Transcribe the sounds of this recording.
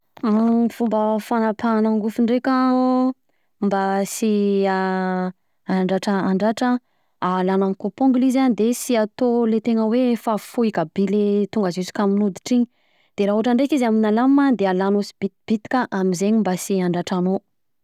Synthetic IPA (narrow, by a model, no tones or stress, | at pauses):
fumbəfanapʰanaŋɡufuɳɖ͡ʐekʲa | mbasia | aɳɖ͡ʐaʈ͡ʂəaɳɖ͡ʐaʈ͡ʂə | alanaŋkopõŋɡlizand̪esiat̪olet̪eŋəwefafuikəbilet̪uŋɡəzuzi̥kaminud̪i̥ʈ͡ʂiɲi | d̪̥eɾaɦuaʈ͡ʂaɳɖ͡ʐekizaminalammad̪ealanusi̥bit̪b̥it̪i̥kʲəʔamizeɲimbasiaɳɖ͡ʐaʈ͡ʂano